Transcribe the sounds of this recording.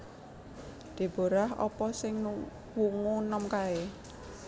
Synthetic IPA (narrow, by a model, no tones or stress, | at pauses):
d̪̥e̤b̥o̤ɾaɦɔ̰pɔsɪŋnu | wuŋunɔmkae